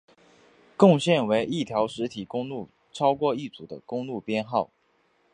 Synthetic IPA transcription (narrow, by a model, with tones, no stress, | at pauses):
kʊ˥˧ŋɕjɛ˥˩nwe˧˥ɪʔi˥˩t̪ʰjɑ˧˥ʊʂɻ̩˧˥t̪ʰi˨˩kʊ˥ŋlu˥˩ | ʈ͡ʂʰɑ˥ʊkwɔ˥˧i˥˩t͡su˨˩d̪ə̰˦kʊ˥ŋlu˥˩pjɛ˥nxɑ˥˩ʊ